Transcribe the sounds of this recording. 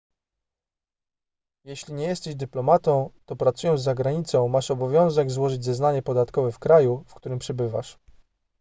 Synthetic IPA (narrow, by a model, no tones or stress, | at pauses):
jɛɕlʲiɲɛjɛst̪ɛʑd̪ɘplɔmat̪ɔ̃w̃t̪ɔpɾat̪sujɔ̃zːaɡɾaɲit̪sɔ̃w̃maʂɔbɔvʲjɔ̃w̃zɛɡzwɔʐɘd͡ʑʲzɛznaɲɛpɔd̪at̪kɔvɛfkɾajufkt̪uɾɘmpʂɛbɘva̰ʂ